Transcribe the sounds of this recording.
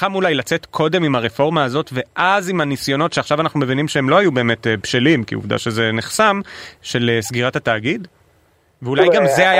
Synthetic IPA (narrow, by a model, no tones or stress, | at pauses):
amulajlat͡se̞tkʰo̞de̞mimaʁefo̞ʁmaːzo̞tve̞ʔazimanisjo̞no̞tʃeaχʃavanaχnume̞vinimʃeemlo̞hajube̞ːme̞tebʃelimkḭṵvd̪a̰ʃeze̞neχsamʃe̞lsɡiʁathataːɡid | veulajɡamzeaj